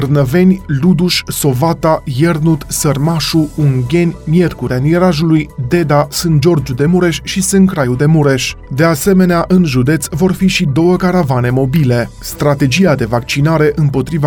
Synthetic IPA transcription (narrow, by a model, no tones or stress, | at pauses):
rnəve̞nʲlud̪uʃʲso̞vat̪ajernut̪sərmaʃuuŋɡʲe̞nʲmje̞rkuɾʲaniɾaʒulujd̪e̞d̪asɨnt̪̚d͡ʒo̞rd͡ʒud̪e̞muɾe̞ʃʲʃisɨnkɾajud̪e̞muɾe̞ʃʲd̪e̞ase̞me̞neaʔɨnʒud̪e̞t̪svo̞rfiʃid̪o̞wəkaɾavane̞mo̞bile̞ | st̪ɾat̪e̞d͡ʒijad̪e̞vak̚t͡ʃinaɾe̞ʔɨmpo̞t̪ɾiva